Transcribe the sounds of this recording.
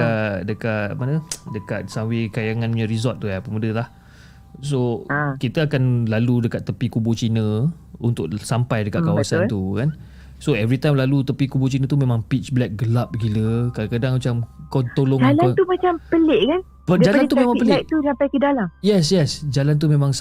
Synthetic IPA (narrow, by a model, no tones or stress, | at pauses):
adəkaʔmanədəka̰t̪̚sawekajaŋãnəɲãɾizɔt̪̚ːuapəmudəlah | sokit̪əakanlaludəkat̪ːəpikubot͡ʃinə̃ | unt̪ʊʔsampajdəkaʔkawbasant̪ukan | soɛvɾit̪ajmlalut̪əpikubot͡ʃinə̃t̪umẽmãŋpit͡ʃblɛk̚ɡəlap̚ɡiləkaakadaŋmat͡ʃamkɔnt̪olɔŋd͡ʒalat̪umat͡ʃampəleʔkan | badd͡ʒallanumẽmaŋpəlɪʔ̚t̪udampakidalamjɛs̬jɛsd͡ʒalant̪̬umẽmãŋs